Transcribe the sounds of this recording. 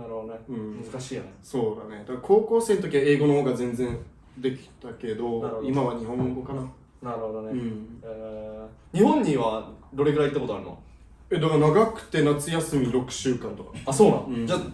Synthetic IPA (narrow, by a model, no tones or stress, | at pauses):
naɾɯod̪oneɯ̟̃ɴmɯzɨkaɕiːjoneso̞ːd̪a̰ne̞d̪akkʰo̞ːkoːse̞ːnot̪okʲiβae̞ːɡo̞noho̞ːɡazẽ̞nd͡zẽ̞n | d̪e̞kʲi̥t̪ake̞d̪o̞oimmaβaɲ̟ihõ̞ŋɡo̞kana | naɾɯ̟hod̪oneɯ̟̃ɴe | ɲ̟ihõ̞ɲ̟ːĩβad̪o̞ɾe̞ɡɯɾait̪ːakot̪oaɾɯ̟no̰ | ed̪aɡanaɡakɯ̟̥t̪e̞nat͡sɨjasɨmʲiɾo̞kɯ̟̥ɕɨːkãnt̪o̞kḁasoːnã̰ɯ̃d͡ʑa